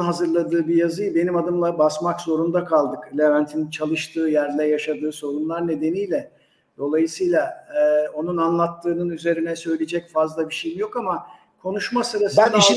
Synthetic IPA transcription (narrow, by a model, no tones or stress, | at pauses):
ɦazɯɾlˠad̪ɯːbijazɯjbe̞nimad̪ɯmlˠabasmakzo̞ɾund̪akʰalˠd̪ɯklʲevænt̪ʰinit͡ʃʰalˠɯʃt̪ʰɯːjæɾlʲɛjaʃad̪ɯːso̞ɾunlˠaɾne̞d̪e̞nijlʲɛ | d̪̥o̞lˠajɯsɯjlˠaɛːo̞nunanlˠat̪ʰːɯːnɯnyze̞ɾinɛsø̞jlʲid͡ʒɛcfazlˠabiʃejimjo̞kama | kʰo̞nuʃmasɯɾasbæniʃ